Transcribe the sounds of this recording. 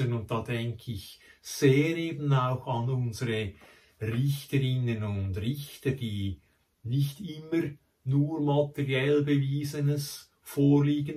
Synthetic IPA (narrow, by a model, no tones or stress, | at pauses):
ənʊnt̚d̥ɑːdɛŋkʰəɪçz̥eːɾeːbn̩aʊxɑnʊnzəɾə | rɪçtəɾɪnənʊndrɪçtəɾd̥iː | nɪçtɪmːəɾ | nuːɹmɑtɛʁjɛlbəviːzənəs | foːɹliːɡən